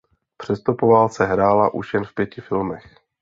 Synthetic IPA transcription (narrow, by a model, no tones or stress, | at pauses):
pr̝̥ɛst̪opovaːlt͡sɛɦɾaːlaʔuʃjɛnfpjɛcɪfɪlmɛx